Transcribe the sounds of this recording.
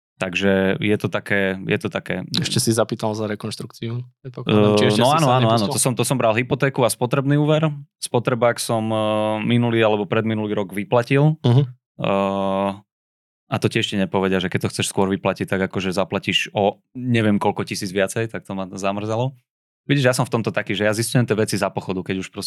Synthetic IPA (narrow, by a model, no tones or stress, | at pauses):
t̪aɡʒɛjɛt̪ɔt̪akɛːjɛ̰t̪ɔt̪akɛ̰ːɛʃcɛsizapiːt̪alzaɾɛkɔnʃt̪ɾukt͡siupɛt̪̚pɔk̪nɔaːnɔanɔaːnɔt̪ɔsɔmt̪ɔsɔmbɾalˠɦipɔt̪ɛːkuaspɔt̪ɾɛbniːuːʋɛɾspɔt̪ɾɛbaksɔmːinuliːalɛbɔpɾɛd̪minuliːɾɔɡʋiplacilɦ | at̪ɔciɛʃcɛɲɛpɔʋɛɟɪaʒɛkɛc̚t̪ɔxt͡sɛʃskʊɔɾʋiplacict̪aɡakɔʒɛzaplaciʒɔ | ɲɛʋɪɛmkɔlkɔcisiːd͡zʋɪat͡sɛjt̪ak̚t̪ɔmazamr̩zalɔ | ʋiɟiʒjas̬ɔɱft̪ɔmt̪ɔt̪akiːʒɛjaziscujɛmt̪ɪɛʋɛt͡sizapɔxɔd̪ukɛɟuʃpɾɔs